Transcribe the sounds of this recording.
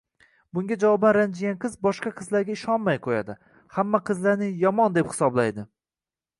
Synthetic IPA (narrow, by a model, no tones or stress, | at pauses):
bʊŋɡʲad͡ʒavɒbanɾand͡ʒɪɡʲanqɨzbɒʃqɑqʰɨzlaɾɡʲaɪʃɒnmajqʰoja̰d̪ɪ | hamːaqʰɨzlaɾnɪjɒmɒnd̪ephɪ̥sɒblajd̪ɪ